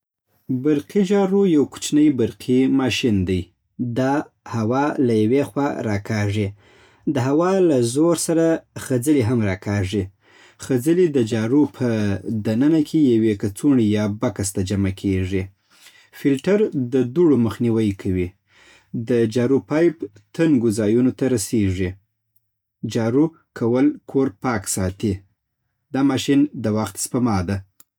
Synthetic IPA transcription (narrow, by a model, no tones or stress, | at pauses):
baɾqid͡ʒɑɾujawku̥t͡ʃnəjbaɾqʰimɑʃind̪aj | d̪ɑ | hawɑlajawexwɑɾɑkɑʐi | d̪əɦawɑlazoɾsaɾaxəd͡zəliɦamɾɑkɑʐi | xəd͡zəlid̪əd͡ʒɑɾupʰəd̪anənakʰejawekat͡suɳijɑbakast̪ad͡ʒamakʰeʐi | fɪlʈaɾd̪əd̪uɽoməxniwəjkʰawi | d̪əd͡ʒɑɾupɑjpt̪aŋɡozɑjunot̪aɾaseʐi | d͡ʒɑɾu | kʰawəlkʰoɾpɑksɑt̪i | d̪ɑmɑʃind̪əwaxt̪spamɑd̪a